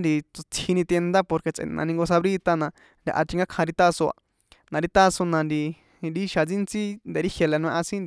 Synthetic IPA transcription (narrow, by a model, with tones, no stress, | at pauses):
nd̪i˧t͡su˧t͡sʰi˧nĩ˧t̪e˧nd̪a˦po˧ɾke˧t͡sʔḛ̃˨nã̰˨˧nĩ˧ŋɡo˧s̬a˧βɾi˦t̪a˧nã˧ | nd̪ʲa̰˨ʔa̰˧t͡ʃ̪i˧ŋɡa˦kʰã˧ɾi˧t̪a˦so˧a̰˧ | nã˨˧ɾi˧t̪a˦sõ˧nã˧nd̪i˧ | ɾi˦ʃa˧t͡si˦nt͡si˦nd̪e˨ɾi˦hje˧le˨˧˨nũ˧ẽ˧ʔã˧sĩ˦nd̪